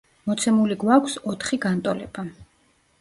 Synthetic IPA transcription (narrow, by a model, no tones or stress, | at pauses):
mɔt̪sʰɛmuliɡwakʷʰsɔt̪ʰχiɡant̪ʼɔlɛba